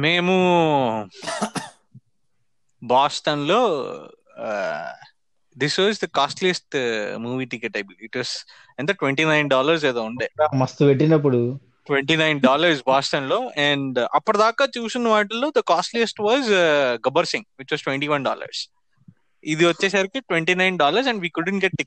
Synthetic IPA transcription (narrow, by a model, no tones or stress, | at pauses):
meːmu | baːst̪ɐnloː | d̪isʋaːzd̪ɐkaːsʈlijɐsʈmuːʋiːʈikeʈɐbiliʈʋɐːz | ɛ̃ɳɖd̪ɐʈʋeɳʈiːnɐjnɖaːlɐɾs̬eːd̪oːuɳɖeːmɐst̪uʋeʈːinɐp̬ːuɽu | ʈʋẽɳʈiːnajnɖaːlɐɾsbaːsʈ̪ɐnloːɛ̃ɳɖɐpːuɽɐd̪aːkaːt͡ʃuːsinːɐʋaːʈ̬ɐloːd̪ɐkaːsʈlijɐsʈʋaːzɡɐbɐɾsĩŋʋit͡ʃʋɐːsʈʋẽɳʈiːʋɐnɖa̰ːlɐ̰ɾs | id̪iʋɐt͡ʃːeːsaːɾikiʈʋeɳʈiːnaɪnɖaːlɐɾs̬ɛ̃ɳɖʋiːkuɖəɳʈɡɛʈːik̚